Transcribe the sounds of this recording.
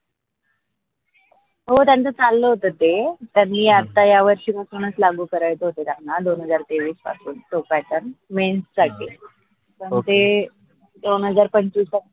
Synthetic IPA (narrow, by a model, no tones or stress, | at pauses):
ɦot̪jant͡sət͡salːəɦot̪ət̪et̪janːiːat̪ajaʋəɾɕiːməsuɽ̃ət͡slaɡuːkəɾajt͡s̪əɦot̪et̪janːad̪onɦəd͡zaɾt̪eʋiːspa̰suːnʈ̪opɛʈəɾnmenssaʈʰi | səɳt̪e | d̪onɦəd͡zaɾpəɳt͡ɕusa